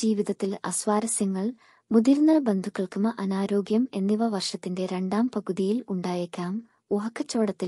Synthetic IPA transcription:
d͡ʑiːʋiðɐt̪ːilɐ̰sʋaːɾɐsjɐŋːɐɭ | muðiɾnɐrbe̞nd̪ʱukːɐɭkumɐʔɐnaːɾo̞ːɡjɐme̞nːiʋɐʋɐrʂɐt̪ːinde̞ɾe̞ɳɖaːmpɐɣuðijiluɳɖaːjekʲːaːm | oɦɐkːɐt͡ɕːo̞ːɽɐt̪ːi

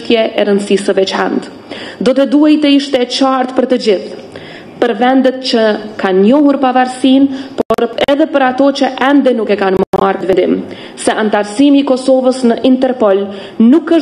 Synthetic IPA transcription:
t̪jɛʔɛɾənsisəvɛt͡ʃa̰nt̪ | d̪ɔt̪ɛd̪uɦajt̪əiʃt̪ɛt͡ɕaɾt̪pəɾt̪əd͡ʑiθ | pəɾvɛnd̪ɛt̪t͡ɕəkanɲɔɦuɾpavaɾsinpɔɔɾɛðɛpəɾat̪ɔt͡ɕəʔɛnd̪ɛnukɛkanmmart̪vɛd̪im | sɛʔant̪aɾsimiːkɔsɔvəsnəʔint̪ɛɾpɔl | nukːəʃ

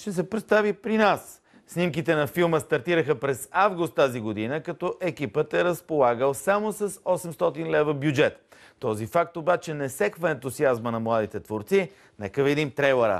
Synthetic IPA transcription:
ʃt̪ɛs̬ɛpɾɛt̪st̪avipɾinasː | nimkit̪ɛnɐfilˠməst̪ɐɾt̪iɾəxəpɾɛzavɡʊst̪ːaziɡod̪inəkɐt̪ɔʔɛkipət̪ɛɾəspolˠaɡəlˠsamosɐsɔsɛmst̪ɔt̪inlɛvəbjud͡ʒɛt̪ | t̪ɔzifak̚t̪obat͡ʃɛnɛsɛkvəɛ̃nt̪uziazmənɐmlˠad̪it̪ɛt̪voɾt̪si | nɛ̰kəvid̪imt̪ɾɛjlˠəɾə̰

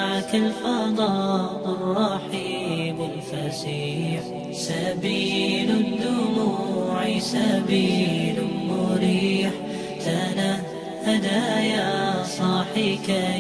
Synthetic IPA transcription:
aʕakalfɑd̪ˤɑʔrˤːɑħiːmʊlfasiːħ | sabiːlʊd̪ʊmuʕisabiːlmʊɾiːħ | t̪ana | had̪aːjasˤɑːħiːka

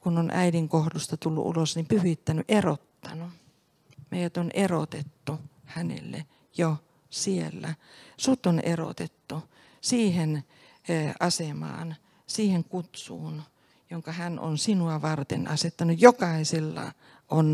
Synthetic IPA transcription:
kunonʔæ̰idiŋkohdust̪ɑt̪ulːṵʔṵlosnimpyhit̪ːænyʔerot̪ːɑnu | meijæt̪onʔero̰t̪et̪ːuhænḛlːḛ | jo | sielːæsut̪onḛro̰t̪et̪ːu | siːhen | ɑsemɑ̰ːn | siːheŋkut̪sṵːn | joŋkɑhænʔo̰nsinuɑʋɑrt̪ḛnɑset̪ːɑnujjokɑiselːɑ̰ | ʔon

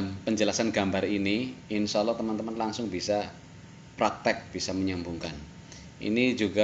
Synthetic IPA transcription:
mpəɲd͡ʒəlasanɡa̤mbaɾiniɪnsɔlɔt̪əmant̪əmanlaŋsʊŋbisa | pɾak̚t̪ɛk̚b̥isaməɲambuŋkan | ʔḭnid͡ʒuɡa

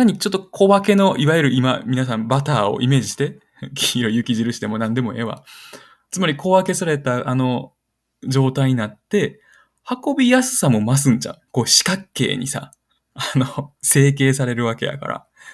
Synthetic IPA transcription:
aɲ̟it͡ɕot̪ːo̞kʰo̞βake̞no̞ʔiβajɯ̟ɾɯ̟imamʲinas̬ãmbat̪aːo̰ʔime̞ːd͡ʑiɕi̥t̪e̞ | kʲiɾojɯ̟kʲiʑiɾɯ̟ɕi̥t̪e̞mo̞nãnd̪e̞mo̞eβa̰ | t͡sɨmaɾʲiko̞βake̞saɾe̞t̪aʔano̞ | d͡ʑo̞ːt̪aiɲ̟inat̪ːe̞ | hako̞bʲijasɨ̥samo̞mas̬ɨ̃ɲt͡ɕã̰ko̞ːɕi̥kakːe̞̰ːɲ̟ḭsa̰ | anose̞ːk̬e̞ːsaɾe̞ɾɯ̟βake̞ja̰ka̰ɾa̰

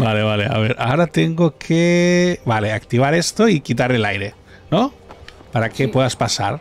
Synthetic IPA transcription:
bale̞βale̞a̰βeɾʔaoɾat̪eŋɡokʰeβale̞akt̪iβ̞aɾest̪oikit̪̬aɾelajɾe | no | paɾakepweðaspasa̰ɾ

